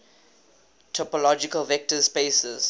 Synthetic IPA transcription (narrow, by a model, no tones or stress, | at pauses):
tʰɔpɔlɔd͡ʒikəlvɛk̚təspesəz̥